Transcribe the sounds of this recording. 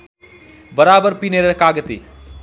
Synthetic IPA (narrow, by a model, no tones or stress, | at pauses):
bəɾabəɾpineɾekaɡət̪ḭ